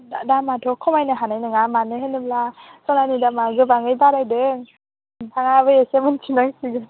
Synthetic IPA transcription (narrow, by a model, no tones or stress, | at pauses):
adamatʰɔkʰɔmajnɯɦanajnɯŋamanɯɦenɯblasɔnanidamaɡɯbaŋɯjbaɾajdɯŋ | tʰaŋabɯesemɯnt͡ʃʰinaŋsiɡɯ